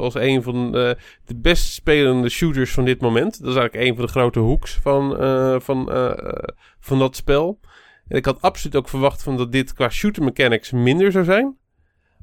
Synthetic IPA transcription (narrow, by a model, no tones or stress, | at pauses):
ɑlˠsejnvɔn | d̥əbɛstspeːləndəʃutəɹsfɔndɪt̚momɛntdɔtɪsɛjɣŋləkejnvɔndəχrowtəɦuksfɔnfɔn̰ | vɑndɔtspɛlˠ | ʔɛnɪkhɑtapsolytowkfəɹʋɑχtfɔndɔt̚dɪtkʋaːʃutəɹməkɛnɪksmɪndəɹzawzɛjn